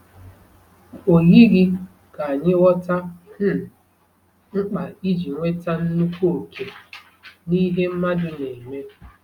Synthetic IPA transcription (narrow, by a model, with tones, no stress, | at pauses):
o˨ɦi˦ɣi˦ | ka˨a˨ɲɪ˦ɔ˦ta˦n̩˦˨ | ŋ͡m̩˦k͡pa˨i˦d͡ʒi˨ŋʷe˦ta˦n̩˦nu˦kʷu˦o˨kʰe˨ | ni˦ɦe˦m̩˦ma˦dʊ˦ne˨me˦